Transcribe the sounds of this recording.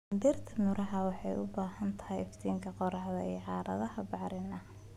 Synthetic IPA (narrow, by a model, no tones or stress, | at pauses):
d̪ɪrt̪ʰɐmʊɾɐɦɐwɑħɑjʊbaːɦɐnt̪ʰɐ̥ɦɛjɪft̪ʰiːŋkʰɐqɔɾɑħðɐḭːʕɑːɾʔɐ̰ðɐhɐbɑʕɾɪnɐ